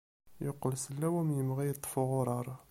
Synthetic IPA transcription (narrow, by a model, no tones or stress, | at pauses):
joqːəlsəlːæwæmnjəmʁæjət̪ˤːə̥fʊʁʊɾˤɑɾˤ